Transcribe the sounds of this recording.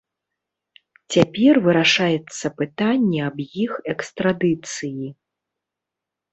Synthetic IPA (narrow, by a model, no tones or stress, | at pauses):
t͡sʲapʲɛrvɨɾaʂajɛt̪sːɐpɨt̪anʲːɛɐbjixɛkst̪ɾad̪ɨt̪sɨji